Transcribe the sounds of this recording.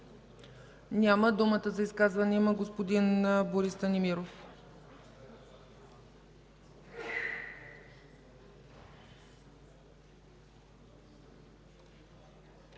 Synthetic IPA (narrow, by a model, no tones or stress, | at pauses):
nʲaməd̪umət̪əzɐiskazvənimɐɡospod̪inboɾist̪ənimiɾof